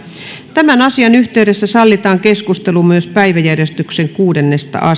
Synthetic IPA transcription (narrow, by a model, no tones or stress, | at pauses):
t̪æmænɑsiɑnyht̪eydesːæsɑlːit̪ɑːŋkeskust̪elumyøspæiʋæjærjest̪ykseŋkuːdenːest̪ɑ̰ʔɑ